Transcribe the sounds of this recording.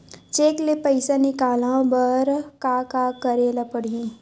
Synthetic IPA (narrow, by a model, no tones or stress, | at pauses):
t͡ʃeːklepəɪsanikaːlãbəɾkakakəɾeːlapəɽiĩ